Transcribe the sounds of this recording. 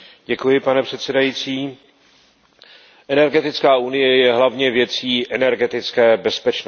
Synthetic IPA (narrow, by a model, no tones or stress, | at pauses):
ɟɛkujɪpanɛpr̝̥ɛt̪sɛdajit͡siː | ʔɛnɛɾɡɛt̪ɪt͡skaːʔunɪjɛjɛɦlavɲɛvjɛt͡siːʔɛnɛɾɡɛt̪ɪt͡skɛːbɛspɛt͡ʃn